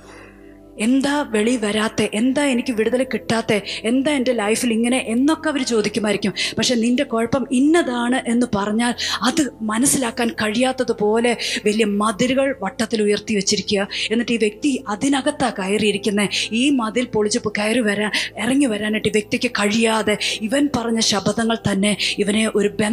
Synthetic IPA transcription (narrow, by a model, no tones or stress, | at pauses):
e̞nd̪aːʋe̞ɭiʋɐɾaːt̪ːe̞ʔend̪aːe̞nikʲːuʋiɽuðɐlekːiʈːaːt̪ːe̞end̪aːende̞lɐjfiliŋːɐne̞ʔenːo̞kːeɐʋɐɾut͡ɕo̞ːd̪ikʲːumaːjiɾikʲːumpɐkʂeninde̞ko̞ːɻpːɐminːɐðaːɳɨʔe̞nːɨpɐrɐɲːaːlɐðɨmɐnɐsːilaːkːaːnkɐɻijaːt̪ːɐðɨpo̞ːle̞ʋɐlijɐmɐðiɾuɣɐɭʋɐʈːɐt̪ːilujɐrt̪iʋɐt͡ɕːiɾikʲːuɣɐe̞nːɐʈːeiːʋje̞k̚t̪iɐðinɐɣɐt̪ːakɐjɐrijiɾikʲːunːeiːmɐðilpo̞ɭit͡ɕːupːokejriʋɐɾaːnerɐŋːiʋɐɾaːneʈːiʋje̞k̚t̪ikʲːɨkɐɻijaːðe̞iʋɐnpɐrɐɲːɐɕɐbʱɐðɐŋːɐɭt̪ɐnːe̞iʋɐne̞ʔo̞ɾube